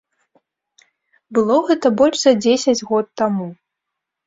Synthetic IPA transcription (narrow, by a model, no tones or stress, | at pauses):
bɨlˠɔɣɛt̪ɐbɔlʲʂzɐd͡zʲesʲɐd͡zʲɣɔt̪ːamu